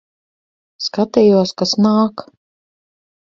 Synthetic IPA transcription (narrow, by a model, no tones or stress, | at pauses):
skat̪ɛjuɔskasnaːk